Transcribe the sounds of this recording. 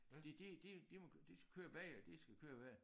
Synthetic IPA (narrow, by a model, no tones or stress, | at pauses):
d̥id̥id̥id̥imɒd̥isɡ̥æ̥kʰøːɐʋɛd̥isɡ̥ækʰøːɐʋæ